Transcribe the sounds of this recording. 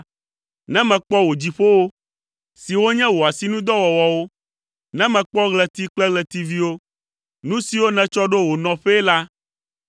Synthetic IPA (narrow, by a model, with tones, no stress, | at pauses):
nɛ̃˦mɛ̃˨k͡pɔ˦wo˨d͡ʑi˨ɸo˦wo˦ | si˨wo˦ɲɛ̃˦wo˨a˨si˦nũ˦d̪ɔ˦wɔ˨wɔ˨wo˦ | nɛ̃˦mɛ̃˨k͡pɔ˦ɣlɛ˨t̪i˦k͡plɛ˦ɣlɛ˨t̪i˦vi˦wo˦ | nũ˦si˨wo˦nɛ̃˨t͡ʃɔ˦ɖo˦wo˨nɔ̃˨ɸe˦la˦